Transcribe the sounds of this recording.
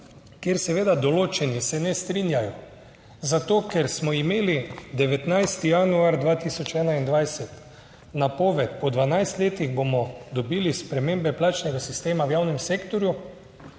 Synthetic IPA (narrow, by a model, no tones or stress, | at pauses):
kjeɾsɛʋeːd̪ad̪ɔloːt͡ʃɛnisɛnɛst̪ɾinjajɔ | zat̪oːkɛɾsmɔimeːlid̪ɛʋɛt̪najst̪ijanuaɾd̪ʋaːt̪isɔt͡ʃɛːnaind̪ʋajsɛt̪ | napoːʋɛt̪pɔd̪ʋanajst̪leːt̪iɣbomɔd̪ɔbiːlispɾɛmembɛplaːt͡ʃnɛɡasist̪eːmawjaːwnɛmseːkt̪ɔɾju